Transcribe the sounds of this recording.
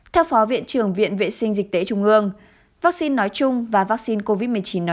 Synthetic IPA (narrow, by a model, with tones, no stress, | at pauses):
t̪ʰɛ˧wfɔ˨˦vḭ˧˨ənt͡ɕɨ˨˩əŋvḭ˧˨ənvḛ˧˨sï˧ŋ̟zï˨˩t̪e˨˦t͡ɕʊ˧ŋ͡mʔɨ˧əŋ | vaː˦˥k̚si˧nːɔ˨˦jt͡ɕʊ˧ŋ͡mvaː˨˩vaː˦˥k̚si˧nko˧vi˦˥t̚m˨˩ət͡ɕi˨˦nːɔ˨˦